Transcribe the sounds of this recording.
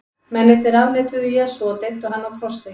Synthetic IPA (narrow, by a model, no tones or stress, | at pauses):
mɛnɛt̪ɪɾavlɛːt̪ʏðʏjɛːsuat̪et̪ːʏɦanːawk̪ʰɾɔr̥sɪ